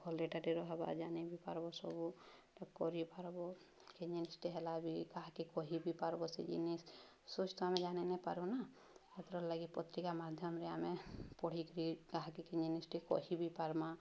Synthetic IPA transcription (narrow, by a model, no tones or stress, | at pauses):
ɡʱɔleʈaɾeɾɔɦba̰d͡ʒanebipaɾbɔsɔbu | kɔɾipaɾbɔ | keɲd͡ʒinisʈiɦɛlabikaɦakikɔɦibipaɾbɔsḛd͡ʒḭnis | sut͡ʃt̪ɔamɛ̃d͡ʒanɛnɛpa̰ɾuna | at̪ɾɔlaɡipɔt̪ɾikamad̪ʱjɔmɾɛamepɔɽ̤ikɾikaɦakikiɲd͡ʒinisʈikɔ̰ɦibipaɾma